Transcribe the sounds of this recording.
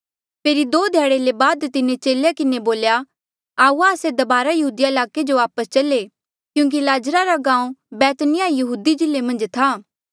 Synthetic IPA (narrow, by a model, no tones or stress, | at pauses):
pʰeːɾid̪oːd̪ʱjaːɽelebaːd̪t̪ɪnet͡ʃeːljakɪneboːlja | aːuaːsed̪ɐbaːɾajɐɦuːd̪ijaɪlaːked͡ʒoaːpəst͡ʃɐle | kjũːŋk̬ilaːd͡ʒɾaɾaɡãːũbɛːt̪nɪjajɐɦuːd̪id͡ʒɪlːemɐ̃nd͡ʒt̪ʰaː